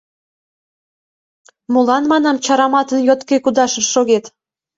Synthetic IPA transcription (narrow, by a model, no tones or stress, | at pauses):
mulɑnmɑnɑmt͡ɕɑɾɑmɑt̪ənjot̪kekud̪ɑʃəʃoɣet̪